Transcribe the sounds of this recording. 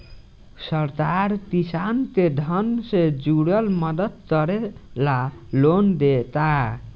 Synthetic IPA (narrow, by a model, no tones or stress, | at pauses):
sʌɾt̪art̪isant̪ed̪ʱʌnsed͡zuɽʌlmʌd̪ʌt̪̚ɡʌɾelalond̪et̪a